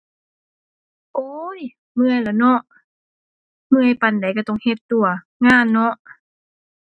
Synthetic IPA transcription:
ʔoː˧˦j | mɯ˧əjla˨˧˩nɔ˧˥ʔ | mɯ˧˩ə˨jpa˨˩nda˨˦jka˧˩t̪ɔ˧˩˨ŋhe˧t̪ːu˧˩ɐ | ŋaː˧˥˨nːɔ˧˦˥ʔ

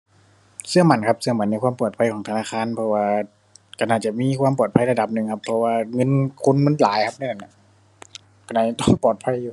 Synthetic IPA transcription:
sɯ˧ɐma˧˩˦nkʰa˧˥p̚sɯ˧ɐma˨˧˦nː˧˥kwaː˧˥˨mpu˨˩t̪̚pʰa˧˥jkʰɔː˨˦ŋt̪ʰa˧naː˧˥˩xʰaː˧˥˨npʰɔ˧waː˧ | ka˧˩naː˧˩t͡ɕa˧˩miː˧˥˨kʰwaː˧˥˨mpɔː˨˩t̪̚pʰa˧˥˨jla˧da˨˧˦p̚nɯ˨˩ŋkʰa˧pʰːɔ˧waː˧ŋɤ˧˥˨nkʰu˧˥˨nmɤ˧˥˨nlaː˨˦jkʰa˧˥p̚na˧˥˨a˧˩na˧˩ | ka˧˩naː˧˩jt̪ɔː˧˥˩ŋpɔː˨˩t̪̚pʰa˧˥˨jːuː˨˧

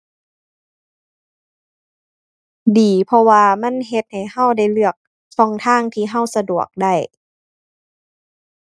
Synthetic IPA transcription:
diː˨˩˦pʰɔ˧waː˧ma˧˥˨nɦe˧t̪̚ha˨˩jha˧˥˨wda˧˥˩jlɯ˧˩ək̚ | fɔ˧˥ŋt̪ʰaː˧˥˩ŋt̪ʰiː˧ɦa˧˩˨wsa˧du˨˩ək̚da˧˥˩j

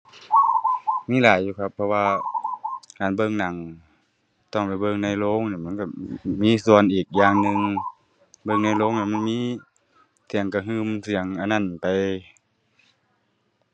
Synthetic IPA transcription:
miː˧˥˨laː˨˦jːuː˧kʰa˧˩pʰːɔ˧waː˧ | kaː˨˩˨nbɤː˧˨ŋna˨˦ŋ | t̪ɔ˧˩ŋpa˨˩jbɤ˧˨ŋna˧˥˩jloː˧˥˨ŋni˧˩ma˧˥˨ka˧˩miː˧˥˨su˨˧˩ənʔiː˨˩k̚jaː˧ŋnɯ˧ŋ | bɤː˧˨ŋna˧˩jloː˧˥˨ŋna˧˩ma˧˥˨nmiː˧˥˨ | si˨˦əŋka˧˩ɦɯː˧˨msi˨˦əŋʔa˧˩˨na˧˩˨npa˨j

